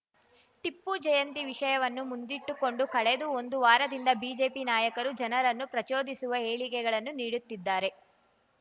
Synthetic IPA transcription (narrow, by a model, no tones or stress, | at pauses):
ʈipːud͡ʒɐjɐnt̪iʋiʂɐjɐʋɐnːumund̪iʈːuko̞ɳɖukɐɭed̪uo̞nd̪uʋaːɾɐd̪ind̪ɐbiːd͡ʒe̞ːpinaːjɐkɐɾud͡ʒɐnɐɾɐnːupɾɐt͡ʃoːd̪isuʋɐeːɭikɛɡɐɭɐnːuniːɽut̪ːid̪ːaːɾe